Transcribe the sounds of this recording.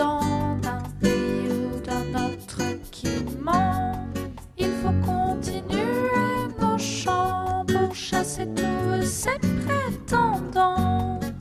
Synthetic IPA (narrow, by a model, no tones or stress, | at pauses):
ɑ̃zɛ̃peʁijod̪ə̃nɔt̪χəkʰimɑ̃ | ilfokɔ̃t̪inyenoʃɑ̃puʁʃaset̪usɛpɛt̪ɑ̃d̪ɑ̃